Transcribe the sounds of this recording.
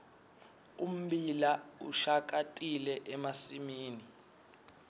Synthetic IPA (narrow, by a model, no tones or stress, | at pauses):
um̩bilaṵʃak̬ʼatʼilɛʔɛmasimiːni